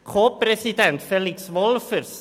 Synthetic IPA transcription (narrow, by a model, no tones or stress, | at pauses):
kʰoːpʰɾɛsid̪ɛnt̪fɛlɪksvɔlˠfərs